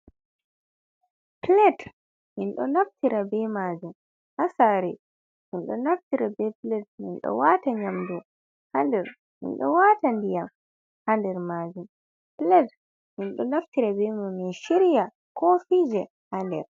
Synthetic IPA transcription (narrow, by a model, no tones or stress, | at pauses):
plɛd | minɗɔnaftiɾabɛmad͡ʒum | hasaɾɛ | minɗɔnaftiɾabɛplɛd̚mḭnɗɔ̰wataɲamdɔ | handɛɾ | mḭnɗɔ̰watandijam | handɛɾmad͡ʒum | plɛd | minɗɔnaftiɾabɛmuminʃiɾija | kɔfid͡ʒɛ | handɛɾ